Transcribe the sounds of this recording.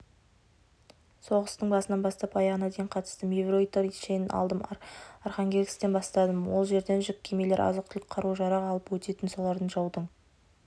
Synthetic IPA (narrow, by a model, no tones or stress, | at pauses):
so̞ʁəst̪əɴbɑsənɑnbɑst̪ɑpɑjɑʁənɑd̪e̞jɪɴqʰɑt̪ə̥st̪əmevro̞jt̪aɾiʃejnɪnʔɑ̰lˠd̪əmarχɑŋɡʲeɡʲst̪e̞nbɑst̪ɑd̪əmwo̞lˠʒe̞ɾd̪e̞nʒʏk̚ʲʰemejleɾʔɑ̰zəq̚t̪ʰʏlk̚ʲqʰɑɾuʒɑɾɑʁɑlˠəpwɵt̪e̞t̪ɪnso̞lˠɑɾd̪əɴʒɑwd̪əɴ